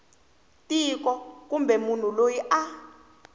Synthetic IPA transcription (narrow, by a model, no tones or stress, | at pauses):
tikɔkumbʱɛmun̤ulojiʔa